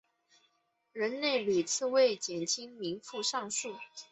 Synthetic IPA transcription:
ɻə˧˥nne˥˩ɪli˨˩t͡sʰɹ̩˥˧we˥˩ɪt͡ɕjɛ˨˩nt͡ɕʰi˥ŋmi˧˥ŋfu˥˧ʂɑ˥˧ŋʂu˥˩

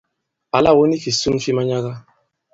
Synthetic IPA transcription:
a˨la˦˨wo˦ni˦ki˨su˦m˦fi˦ma˦ɲa˦ɣa˦

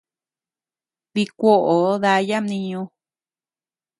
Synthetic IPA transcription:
βi˧kʷo˦ʔo˨˦ða˧˦ja˦mnĩ˧ɲõ˧

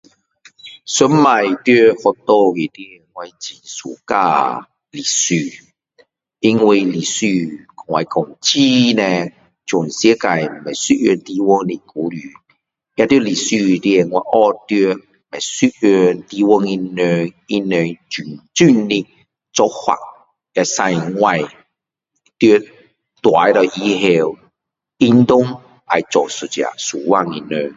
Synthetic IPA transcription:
sə˦mma˨˩jt̪jə˦hɔ˧t̪ɔ˧i˨˩t̪i˦e˨ŋwa˧jt͡ɕi˨nsṵ˨ka̰˧ | li˨˩sy˧˨ | i˦ŋwi˧li˨˩sy˧kɔ˨ŋwa˧jkɔ˨˧˩ŋt͡ɕi˦nẽ˧ | t͡ɕɔ˨˩nsje˦ka˨jm̩˨˩ɛ˨˩jsu˦ʔø˧˨nt̪i˧wɔ˦ŋni˧˩ku˨˦ly˨˩˦ | ja˧t̪jə˦li˨˩sy˧˨t̪i˧e˧˨ŋwa˧˦ʔɔ˦˧t̪ø˧˦ | mɛ˨˩sy˦ø˧nt̪i˧wɔ˦ŋi˧nø˧ŋi˦nø˧ŋt͡ɕy˨˩nt͡sy˥˧nni˧ | t͡sɔ˧˦hwa̰˨k̚ | ja˧sa˧jŋwa˧j | t̪jo˦ | t̪wa˨˦jɾɔ˧˩ʔi˧ɦe˧w | i˦nt̪ʊ˦ŋ | a˨jt͡sɔ˨˩su˨t͡ɕa̰˨su˨˩wa˦˧˨ŋi˧nø˧ŋ

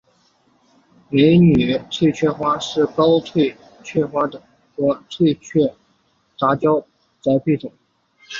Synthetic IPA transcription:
me˧˥ɪny˨˩t̪ʰwe˥˧ɪt͡ɕʰɥɛ˥˧xwa˥ʂɻ̩˥˩kɑ˥ʊt̪ʰwe˥˧ɪ | t͡ɕʰɥɛ˥˩xwa˥d̪ə˩ | xɤ˧˥t̪ʰwe˥˧ɪt͡ɕʰɥɛ˥˩ | ʈ͡ʂa˧˥t͡ɕjɑ˥ʊ | t͡sa˧˥ɪpi˥˩t̪ʊ˨˩˦ŋ

